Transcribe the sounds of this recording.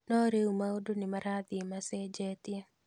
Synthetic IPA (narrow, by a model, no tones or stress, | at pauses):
nɔɾeumaodonɪmaɾad̪ɪmased͡ʒetɪ